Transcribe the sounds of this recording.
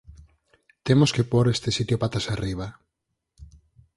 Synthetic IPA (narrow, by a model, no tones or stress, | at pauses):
t̪emoskepoɾest̪esit̪jopat̪asariβ̞a